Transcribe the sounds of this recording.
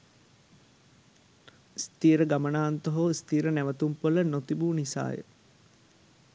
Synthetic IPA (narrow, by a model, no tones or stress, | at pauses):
st̪iːɾəɡamənaːnt̪oɦoːst̪iːɾənæʋət̪umpolənot̪ibuːnisa̰ːjə̰